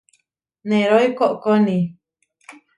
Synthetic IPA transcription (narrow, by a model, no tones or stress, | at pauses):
nẽɾoikoʔkonĩ